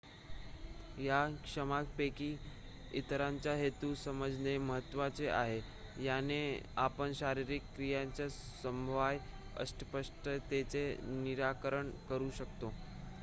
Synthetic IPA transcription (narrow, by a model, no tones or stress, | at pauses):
jakʂəmakpekiː | it̪ɾaɲt͡ɕjaɦet̪uːsəməd͡zʱneməɦət̪ːʋat͡seʔaɦe | janeapəɳɕaɾiɾikːɾijaɲt͡ɕa | səmbʱʋaj | ə̰sʈəpəʂʈət̪et͡seniɾakəɾəɳkəɾuːɕəkt̪o